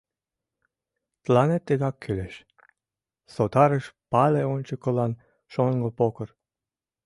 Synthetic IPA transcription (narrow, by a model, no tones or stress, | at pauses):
t̪lɑnet̪ːeɣɑkʰːyleʃ | sot̪ɑɾəʃpɑleonʲt͡ɕə̆kəlɑn | ʃoŋɡɤpokə̆r